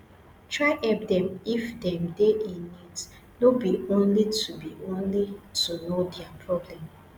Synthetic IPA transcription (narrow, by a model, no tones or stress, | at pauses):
tɹaɪɛp̚dɛ̃mifdɛ̃mdeʔĩnit | nobiõnlitʰubiʔõnlitunodɛapʰɹɔblɛ̃m